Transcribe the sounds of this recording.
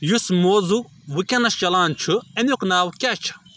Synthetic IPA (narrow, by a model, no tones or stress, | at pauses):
jusmoːzu | ʋɨkʲɐnɐst͡ʃɐlaːnt͡ʃʰɨɐnʲuknaːwkʲat͡ʃʰɐ̥